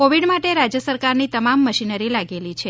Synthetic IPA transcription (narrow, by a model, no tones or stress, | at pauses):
koʋiɽmaʈeɾad͡ʒjəsəɾkaɾnit̪əmamːəʃinəɾilaɡelit͡ʃʰe